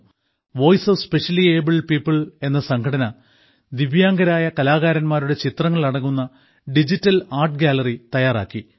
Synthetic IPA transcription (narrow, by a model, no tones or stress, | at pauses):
ʋo̞ːjsɐʋspe̞ʂɐlieːbilpiːpːɨɭe̞nːɐsɐŋkʰɐɽɐnɐ | d̪iʋjaːŋɡɐɾaːjɐkɐlaːɣaːɾɐnmaːɾuɽe̞t͡ɕit̪rɐŋːɐɭɐɽɐŋːunːɐ | ɖid͡ʑitːɐlaːrʈɡʲaːlɐrit̪ɐjaːra̰ːkːi